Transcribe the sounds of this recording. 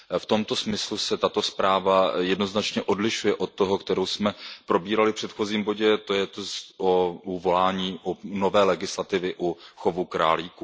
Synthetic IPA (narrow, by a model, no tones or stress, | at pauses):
ft̪o̞mt̪o̞smɪslusɛt̪at̪o̞spɾaːvajɛdno̞znat͡ʃɲɛʔo̞dlɪʃujɛʔo̞t̪̚t̪ːoɦokt̪ɛɾowsmɛpɾo̞biːɾalɪfpr̥ɛt̪xo̞ziːmbo̞ɟɛt̪ojɛt̪sʔouvo̞laːɲiːʔuno̞vɛːlɛɡɪslat̪ɪvɪʔuxovukɾa̰ːliːku